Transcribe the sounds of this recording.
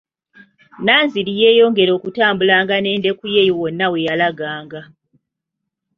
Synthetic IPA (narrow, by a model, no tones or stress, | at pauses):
naːnzilije̞ːjo̞ːŋɡe̞ɾo̞ːkutaːmbulaːŋɡane̞ːnde̞kujejowonːawe̞jalaɡaːŋɡa